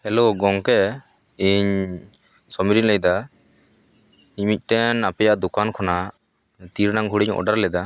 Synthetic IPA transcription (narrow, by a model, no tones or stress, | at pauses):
ɛloɡɔŋkɛ | iɲ | sɔmiɾinlɛjd̪a | iɲmic̚ˀʈɛnapɛjaʔd̪ukankʰɔna | t̪iɾnaŋɡʱuɽiɲɔ̰ɖaɾlɛd̪a